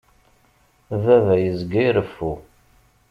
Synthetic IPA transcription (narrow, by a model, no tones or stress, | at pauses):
vævæjəzɡiɾəfːu